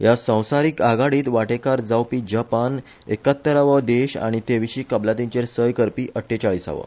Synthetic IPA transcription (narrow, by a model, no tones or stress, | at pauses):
jasə̃w̃saɾiːkaɡaɽiːt̪ʋaʈekaɾd͡zawpiːd͡ʑapan | ḛkət̪ːəɾaʋəd̪eɕa̰ɽ̃it̪eʋiɕiːkəblat̪̬ĩɲt͡ɕeɾsəjkəɾpiːʔəʈʰːet͡ɕaɭiːsa̰ʋə̰